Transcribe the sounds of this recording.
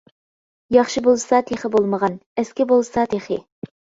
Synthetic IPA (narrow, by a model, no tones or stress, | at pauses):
jɑχʃɨbolˠsɑt̪ʰeχɪbolˠməʁɑnæskʲɪbolˠsɑt̪ʰeχɪ̰